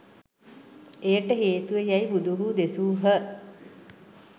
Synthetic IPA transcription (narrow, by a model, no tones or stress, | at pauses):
ejəʈəɦeːt̪uʋejæjibud̪uɦuːd̪esuːɦə